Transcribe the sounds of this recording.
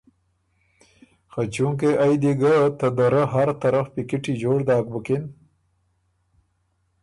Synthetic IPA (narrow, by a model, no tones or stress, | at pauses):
xat͡ʃuŋk̬eʔajd̪iɡət̪əd̪aɾəɦaɾt̪aɾəfpikiʈid͡ʒoːʐd̪ɑːk̚bəkɪn